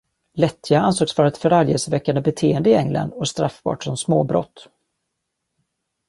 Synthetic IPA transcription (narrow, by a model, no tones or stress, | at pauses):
lɛt̪ʰːjaansoːksfɑːɾət̪fœɾaljḛsvɛkːand̪əbɛt̪ʰeːənd̪əɪɛŋla̰nd̪ɔst̪ɾafbɑ̰ːʈsɔmsmo̰ːbɾɔ̰t̪ː